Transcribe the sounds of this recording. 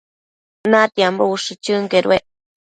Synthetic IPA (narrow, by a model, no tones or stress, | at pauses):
nat̪iambouʂɨt͡ʃɨŋkeɾw̰eʔ